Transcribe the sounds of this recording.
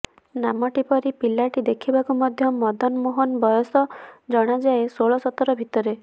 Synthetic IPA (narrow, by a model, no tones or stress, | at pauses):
namɔʈipɔɾipilaʈid̪ekʰibakumɔd̪ʱjɔmɔd̪ɔnmoɦɔnbɔjɔsɔd͡ʒɔɽ̃ad͡ʒaesoɭɔsɔt̪ɔɾɔbʱit̪ɔɾe